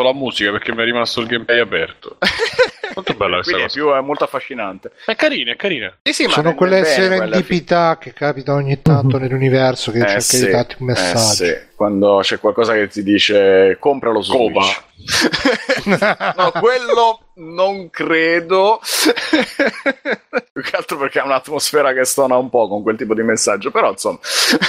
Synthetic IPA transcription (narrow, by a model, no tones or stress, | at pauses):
olamuːzikapeɾk̟emːiɛrːimast̪oilɡɛmplɛjapɛrt̪o̰ | olt̪obɛlːakweswik̪d̪pjuɛmːolt̪oafːaʃːinant̪eɛkːaɾiːnɛkːaɾiːnesisimsaoːnowelːeɛsɛɾenelːipit̪ak̟ːekːaːpit̪aoɲːit̪ːant̪onelːunivɛrsok̟et͡ʃːeɾkad̪ifat̪ːiummesːad͡ʒkwand̪ot͡ʃɛkwalkɔːzaket̪ːid̪iːt͡ʃekompɾaloskoːpae | nɔkwelːo | noŋkɾeːd̪o | ukːealt̪ɾoperkeaunat̪ːmosfɛːɾakesɔːnaumpɔkoŋkwelt̪iːpod̪imesːad͡ʒːopeɾɔinsomːa